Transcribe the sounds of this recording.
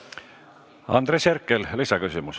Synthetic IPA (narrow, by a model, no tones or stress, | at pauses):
ɑ̰nd̪̥ɾeseɾkːˑellisɑkysʲimus